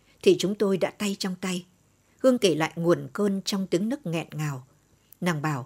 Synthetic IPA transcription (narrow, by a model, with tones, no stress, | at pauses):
t̪ʰi˨˩t͡ɕʊ˨˦ŋ͡mt̪o˧jɗa̰ː˧˥t̪a˧jt͡ɕɔ˧wŋ͡mt̪a˧j | hɨ˧əŋke˧˩la̰ː˧˨jŋu˨˩ənkəː˧nt͡ɕɔ˧wŋ͡mt̪i˨˦əŋnɨ˦˥k̚ŋɛ̰˧˨nŋaː˨˩w | naː˨˩ŋɓaː˧˩w